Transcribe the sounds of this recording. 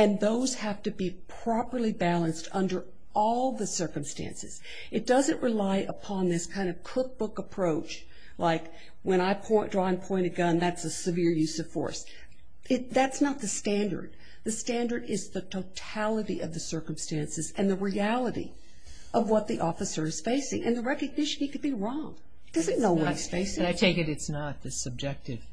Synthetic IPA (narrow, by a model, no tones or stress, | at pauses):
ɨ̃nðoʊz̥hæftɨbipʰɹ̥ɑpə˞lˠibælˠə̃nstʰʌ̃ndə˞ | ʔɔlˠðɨsɜ˞kɨ̃m̩stæ̰̃nsɨ̰z̥ | ɨt̚d̥ʌzɨ̃nʔɹɨlaɪʔəpʰɑ̃nðɪskʰãɪ̃ndʌv̥kʰʊk̚b̥ʊkəpʰɹ̥oʊt͡ʃ | laɪk | wə̃ɾ̃aɪpʰɔ̃ɪ̃dɹɔɨ̃npʰɔ̃ɪ̃ɾ̃ɨɡʌ̃nðætsɨsɨvɪɹjʉsʌv̥fɔ̰ɹs | ɪtðætsnət̪̚ðɨstæ̃ndə̰˞d̪̥̚ | ðɨstæ̃ndə˞ɾɪzðɨtʰoʊtʰælˠəɾiʔʌ̰vðɨsɜ˞km̩stæ̃nsɨzɨ̃nðɨɹiælˠəɾḭ | ʔʌvwʌt̪̚ðiʔɔfɨsə˞ɨz̥feɪsɪ̰̃ŋʔɨ̰̃nðɨɹɛkɨɡ̚nɪʃɨ̃n̩ɨkɨd̚biɹɔ̃ŋ | d̥ʌzɨ̃nnoʊwʌiz̥feɪsɪ̃aɪtʰeɪkɨɾɨtsnət̪̚ðɨsɨb̚d͡ʒɛk̚tɨv̥